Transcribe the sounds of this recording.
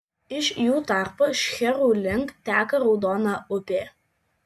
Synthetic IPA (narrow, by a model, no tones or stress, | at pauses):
ɪʃjuːt̪ɑˑɾpoːʃʲxʲɛɾuːlʲɪŋkt̪ʲæːkɐɾɒʊd̪ɔːnɑːʊpʲeː